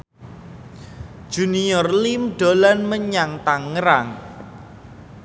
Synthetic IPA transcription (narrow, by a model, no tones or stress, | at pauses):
d̥ʒ̥ṳniɔrlimɖ̥o̤lanməɲaŋt̪aŋːəɾaŋ